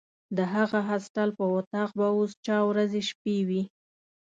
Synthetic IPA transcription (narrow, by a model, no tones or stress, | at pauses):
d̪əɦaɣaɦasʈalpəwat̪ɑq̚baost͡ʃɑwɾazeʃpewi